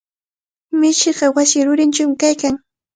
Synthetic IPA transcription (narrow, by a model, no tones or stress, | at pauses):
mɪt͡ʃɪɢɑwasɪɾʊɾɪnt͡ʃamɪkajkaŋ